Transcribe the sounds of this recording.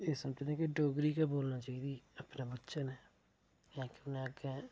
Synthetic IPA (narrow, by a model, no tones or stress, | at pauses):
eːsəmət͡ʃd̪ẽːkɪɖoːɡɾiːkɛːboːlnãːt͡ʃaːiːd̪iːəpnãːbətːʃaːnɛː | jãːkɪʊnɛ̃ːəɡɛ̃ː